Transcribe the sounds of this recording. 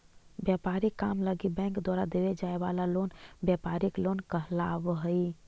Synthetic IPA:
bjapaɾikːamləɡibɛ̃ŋkd̪waɾad̪eʋed͡ʒaebalalonbjapaɾiklonkəɦlabɦəi

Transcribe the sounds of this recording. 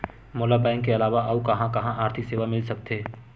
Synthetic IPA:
mʊlabɛ̃ːŋkːeɐlaːʋaʔɐukɐɦãkɐɦãʔaːɾt̪ʰɪkseːʋamɪlsɐk̚t̪eː

